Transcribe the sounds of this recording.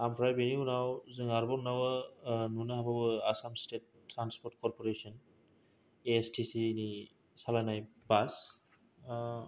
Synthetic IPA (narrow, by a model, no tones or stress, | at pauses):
ampʰɾajbeniunawzɯŋaɾbɔɾnawɯnunaɦababɯasamstet̚ː | ɾanspɔɾtkɔɾpɔɾesɔn | estʰisini | salanajbas